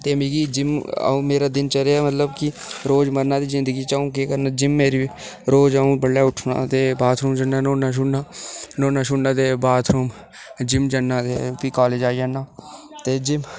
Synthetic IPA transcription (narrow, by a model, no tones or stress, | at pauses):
t̪eːmiːɡid͡ʒɪmã̰ːmeːɾaːd̪ɪnt͡ʃəɾeaːmət̪ləbkɪ | ɾoːd͡ʒməɾnaːd̪iːzɪ̃nd̪əɡiːt͡ʃaːũːkeːkəɾnad͡ʒɪmːeːɾi | ɾoːd͡ʒaːũːbəɽːaːʊʈʰna̰ːt̪eːbaːt̪ʰɾuːmd͡ʒənːaːnoːnaːʃ̬ʊnnaːnoːnãːʃ̬ʊnnaːd̪eːbaːt̪ʰɾuːm | d͡ʒɪmd͡ʒənːãːt̪eːpikaːleːd͡ʒaːiənːaːt̪eːd͡ʒɪm